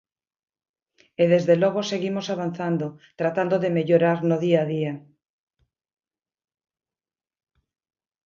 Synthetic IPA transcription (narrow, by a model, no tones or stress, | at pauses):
eð̞ezðeloɣ̞oseɣimosaβ̞an̟θand̪ot̪ɾat̪and̪oðemeʎoɾaɾnoðiaðia